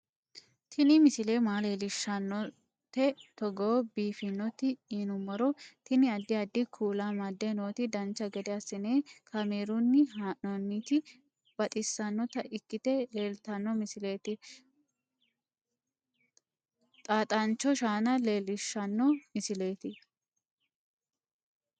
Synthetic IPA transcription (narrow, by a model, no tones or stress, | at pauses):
t̪ʰɪnɪmɪsɪleːmaːleːlɪʃːɐnːɔ | t̪ɛt̪ɔɡoːbiːfɪnːɔt̪ɪiːnʊmːɔɾɔt̪ɪnɪɐd̪ːɪɐd̪ːɪkʰuːlamɐd̪ːenoːt̪ɪd̪ɐnt͡ʃːɐɡɛd̪ɛɐsɪneːkʰɐmeːɾʊnːɪɦaːʔnonːiːt̪ɪ | b̥ɐt̪ʼɪsːɐnːɔt̪ɐʔɪkːɪt̪ɛleːlt̪ɐnːɔmɪsɪle̞ːt̪ɪ | t̪ʼaːt̪ʼɐnt͡ʃːɔʃaːnɐle̞ːlɪʃːɐnːɔmɪsɪle̞ːt̪ɪ